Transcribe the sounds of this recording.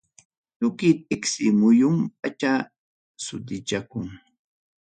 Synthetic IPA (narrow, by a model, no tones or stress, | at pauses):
t̪ʊkɪt̪̚ɪksɪmʊjʊmp̚at͡ʃa | sʊt̪ɪt͡ʃakʊŋ